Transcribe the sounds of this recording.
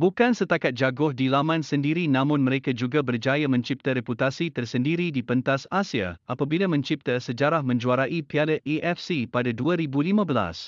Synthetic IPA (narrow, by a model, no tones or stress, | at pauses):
bukansət̪akat̪̚d͡ʒaɡʊhdilamãnsəndiɾinãmʊ̃nmə̃ɾekad͡ʒuɡabərd͡ʒajamə̃ɲt͡ʃip̚t̪aɾɛput̪asit̪ərsəndiɾidipənt̪asasia̰ʔapabilamə̃ɲt͡ʃip̚t̪əsəd͡ʒaɾahmə̃ɲd͡ʒuaɾaʔipiadəʔiʔɛfsipadaduaɾibulimãbəla̰s